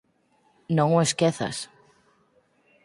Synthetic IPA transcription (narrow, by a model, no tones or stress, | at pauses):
nõŋoeskɛθa̰s